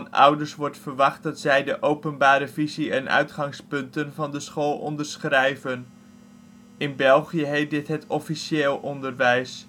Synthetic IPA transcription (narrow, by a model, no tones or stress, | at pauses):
nʌ̰wdəɹsʋɔɹtfərʋɑχt̚dɑtsɛjdəʔowpənbaːɾəviziɛnʔœ̰ɥtχɑŋspɵntənvɑndəsχoːlˠɔ̰ndərsχrɛjvən | ɪnbɛlˠχijəɦejt̚dɪtɦətʰɔfiʃeːlˠʔɔndərʋɛjs